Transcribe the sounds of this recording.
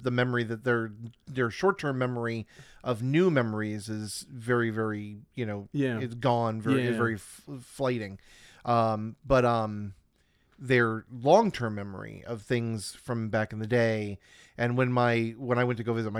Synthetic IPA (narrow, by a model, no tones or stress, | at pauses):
ðɨmɛmə˞iðɨt̪̚ðə˞ðə˞ʃɔɹtʰɜ̃˞mːɛmə˞iʔʌvnʉmɛmə˞izɪzvɛɹivɛɹijɨnoʊɪtsɡ̥ɔ̃nvɛzvɛɹif | flaɪɾɪ̃ŋ | ʔʌ̃mb̥ʌɾʌ̃m | ðə˞lɔ̃ŋtʰɜ̃˞mːɛmə̰˞ḭʌv̥θɪ̃ŋz̥fɹʌ̃mbækn̩ðɨdeɪ | ʔɨ̃nwɨ̃nmaɪwə̃ñaɪwɛ̃ntʰɨɡoʊvɪzɨt̚maɪ